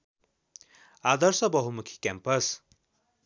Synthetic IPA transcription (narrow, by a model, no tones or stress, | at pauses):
ad̪ʌɾsʌbʌɦumukʰi̥kʲɛmpɐs